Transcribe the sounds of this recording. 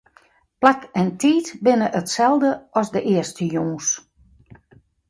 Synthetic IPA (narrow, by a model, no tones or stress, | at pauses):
plakɛntʰiːtbɪnəʔətsɛlˠdəʔɔsdəʔɪəstəjoːs